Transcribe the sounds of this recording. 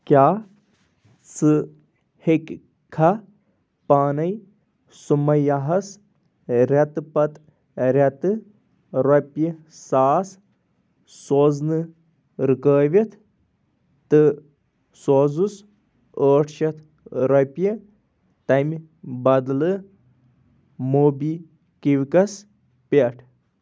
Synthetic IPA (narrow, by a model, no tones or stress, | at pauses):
kʲaː | sɨ | hekʲ | kʰːɐ | paːnɐj | sumɐjaɦɐs | ɾʲɐt̪ɨpɐt̪ | ɾʲɐt̪ɨ | ɾɐpʲji | saːs | soːznɨ | ɾɨkəːʋʲit̪ʰ | t̪ɨ | sozus | əːʈʰʃɐt̪ʰ | ɾɐpʲi | t̪ɐmʲ | bɐd̪lɨ | moːbi | kiʋkɐs | pʲeʈʰ